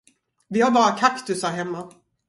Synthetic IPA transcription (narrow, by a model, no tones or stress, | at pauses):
vɪhaɾbɑːɾakʰakt̪ɵsaɾɦɛmːa